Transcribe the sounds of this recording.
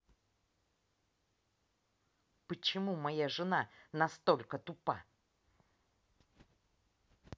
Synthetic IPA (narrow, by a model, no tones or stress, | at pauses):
pət͡ɕɪmumɐjaʐɨnanɐst̪o̞lʲkət̪ʊpa̰